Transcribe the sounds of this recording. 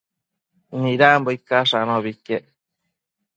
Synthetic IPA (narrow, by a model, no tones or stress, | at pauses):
nĩɾamboikaʂanõβikeʔ